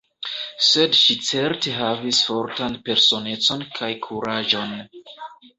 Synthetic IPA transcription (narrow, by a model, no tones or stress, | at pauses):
se̞dʃit͡se̞ɾteɦavisfo̞ɾtanpe̞ɾso̞ne̞t͡so̞nkʰajkʰuɾaʒo̞n